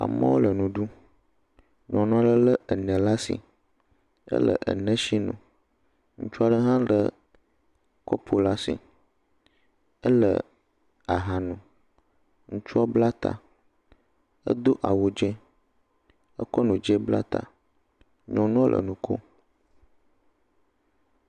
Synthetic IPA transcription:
a̰˨mə̰˦wo˦lə˨nũ˨ɖu˦ | ɲɔ̃˨nũ˦a˦lə˦lə˦ə˨nə̃˨la˦sḭ˨ | ə̰˦lə̰˨ʔə̰˨nə̃˦ʃi˦nṵ̃˨ | ŋṵ̃˦t͡ʃu˦a˦ɖə˦ɦã˦lə˨ | kɔ˦pʰo˨la˦sḭ˨ | ə˦lə̰˨ | a˨ɦa˨nũ˨ | ŋũ˦t͡ʃu˦a˦bla˦t̪a̰˨ | ə̰˦d̪o˦ʔa˨wo˨d͡ʒɛ˦ | ə˦kɔ˦nũ˨d͡ʒɛ˦bla̰˦t̪a̰˨ | ɲɔ̃˨nũ˦ə˦lʔə̰˨nũ˨ko̰˦

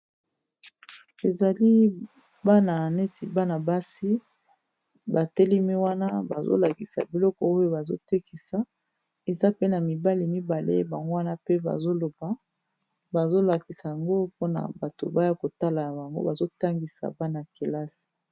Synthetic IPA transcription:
e˨za˨li˦ | ba˦na˨ne˦ti˨ba˦na˨ba˦si˦ | ba˨te˦li˦mi˦wa˦na˦ba˨zo̰˦la˨ki˨sa̰˨bi˨lɔ˦kɔ˨o˦jo˦˨ba˨zo̰˦te˦ki˨sa˨ | e˨za˦pe˦na˨mi˨ba˦li˨mi˦ba˨lḛ˦ba˨ŋɡo˦wa˦na˦pe˦ba̰˨zo˦lo˨ba˦ | ba˨zo˦la˨ki˨sa˨ja˨ŋɡo˦po˦na̰˨ba˨to̰˨ba˦ja˦ko˨ta˦la˨ja˨ba˨ŋɡo̰˦ba˨zo˦ta˦ŋɡi˨sa̰˨ba˦na˨ke˨la˦si̥˨

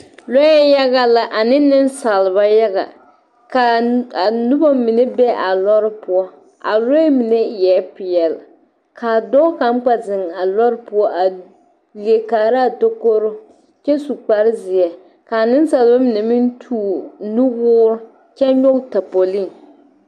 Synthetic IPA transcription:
lɔ˦jɛ˦ja˦ɣa˦la˨ʔa˨nɪ˦nːɪ˦n˦sa˨lba˦ja˦ɣa̰˨ | ka˨a˨nʊ˦ba˦mɪ˨ne˦bɛ˦ʔa˨lɔ˦ɾɪ˦pʊ˦ɔ˦ | a̰˨lɔ˦ɛ˦mi˨ne˦˨jɛ˨˦pɪ˨jɛ˨l | kʰa˨dɔː˦ka˨˦ŋ͡mk͡pa˨zɪ˨ŋa˨lɔ˦ɾɪ˦pʊ˦ɔ˦ʔa˨ | li˨e˨kaː˨ɾa˦˨do˦ko˦ɾʊ˦ | t͡ʃɛ˦su˨k͡pa˦ɾɪ˦zɪ˨ɛ˨ | kaː˨nɪ˦n˦sa˨lba˦mɪ˨nɛ˨mɪ˦ntʰuː˦nu˦ɣʊː˦ɾʊ˦ | t͡ʃɛ˦ɲɔ˦kta˨po˨li˦˨n

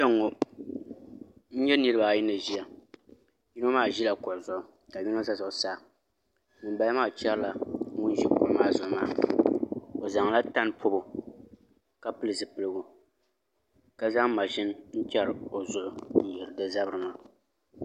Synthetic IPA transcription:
t͡ʃɛ˦ŋːo˦ | n̩˦ɲɛ˦nɨ˦ɾɨ˦ba˨i˦nɨ˨ʒi˦ja˨ | ji˦n˦o˦maː˦˨ʒi˦la˨kɔ˨lzɔ˨ | ka˨ɲi˦no˦za˦zɔ˨saː˦˨ | nɨ˨mba˦maː˦˨t͡ʃɛ˦ɾla˨ŋʊ˦n˦ʒi˦kʊ˦lmaː˦˨zɔ˨˦maː˦˨ | o˨za˨ŋla˦ta˦n˦pʰʊ˦bʊ˨ | ka˦pɨ˦lɨ˨zɨ˨pɨ˨lɨ˦ɡʊ˨ | ka˦za˦ŋma˨ʒɪ˦n˦n̩˦t͡ʃɛ˦ɾɨ˨o˨zʊ˨ʔʊ˨n̩˦jɛ˨ɾɨ˨dɨ˦za˦bɨ˦ɾɨ˨ma˦

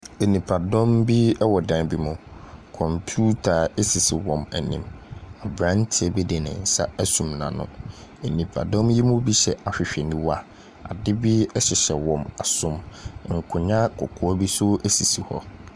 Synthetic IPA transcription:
e˨nĩ˨pʰa˨dɔ̃˦mbi˦ɛ˦wɔ˨dã˨nbi˦mʊ̃˨kʰɔ̃˨mpʰju˦tʰa˨e˦si˨si˨wɔ̃˨mæ˨nĩ˨ma˨bɾã˦n˦tʰɪ˨ɛ˨bɛ˦de˨nã̰˨n̩˨sa˦æ˦sũ˨mnã̰˨nʊ̰̃˨e˨nĩ˨pʰa̰˨dɔ̃˦mji˦mʊ̃˦bi˦ɕɛ˨ʔa˨ɕᶣɪ˨ɕᶣɛ˨nĩ˦wa˦ | a̰˨dɪ˦bi˦ɛ˦ɕɪ˨ɕɛ˨wɔ̃˨ma˨sʊ̃˦mŋ̩˨kʰʊ˨ɲã˦kʰʊ˨kʰʊ˨ɔ˦bi˦sʊ˦æ˦si˨si˨hɔ̰˦

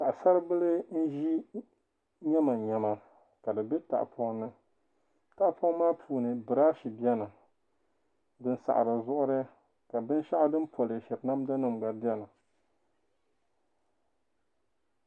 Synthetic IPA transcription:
ka˨ʔa˨sa˦ɾɨ˦bɨ˦lɨ˦n̩˦ʒi˦ | ɲɛ˦ma˨ɲɛ˨ma˨ | ka˨dɨ˨be˦ta̰˨ʔpʰɔ˦ŋnɨ˦ | ta˨ʔpʰɔ˦ŋ˦maː˦pʰuː˦nɨ˨bɨ˨ɾa˦ʃi˨bi˦ɛ˦nɨ˨ | dɨ˦n˦sa̰˨ʔa̰˨ɾɨ˨zʊ˦ʔʊ˦ɾɨ˦ | ka˨bɨ˦n˦ʃa˦ʔa˦dɨ˦n˦pʰo˨lɨ˨ʃɛ˨bna˦mda˦nɨ˨mɡ͡ba˨˦di˦ɛ˦nɨ˨

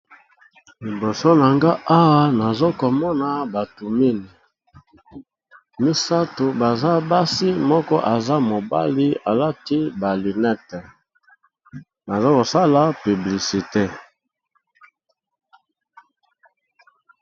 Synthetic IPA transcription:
li˨bo˨so˦na˨ŋɡa˦ʔa˦wa˦na˨zo˦ko˨mɔ˦na˨ba˨tu˨mi˦ni˨ | mi˦sa˦to˨ba˨za˦ba˦si˦mɔ˦kɔ˦ʔa˨za˦mo˨ba̰˦li˦a˨la˦ti˦ba˨li˨nɛ˦tɛ˨ | na˨za˦ko˨sa˦la˦py˨bli˨si˨te˦˨

